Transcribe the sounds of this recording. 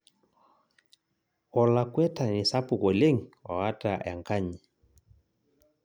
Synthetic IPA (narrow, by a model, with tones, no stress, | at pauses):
ɔ˨la˨kwɛ˦ta˨ni˨sa˦pu˨kɔ˨le˦ŋɔ̰˨a˦ta˨ja̰˨ŋka˦ɲi˨